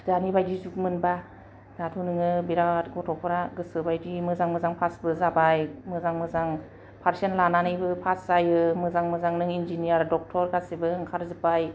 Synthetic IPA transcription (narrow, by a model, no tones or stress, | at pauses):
danibajdizuk̚mɯnba | datʰunɯŋɯbiɾatɡɔtʰɔpʰɔɾaɡɯsɯbajdimɯzaŋmɯzaŋpʰasbɯzabajmɯzaŋmɯzaŋ | pʰaɾsenlananɯjbɯpʰaszajɯmɯzaŋmɯzaŋnɯŋind͡ʒinijaɾdɔk̚tʰɔɾkʰasibɯŋkʰaɾzɯpaj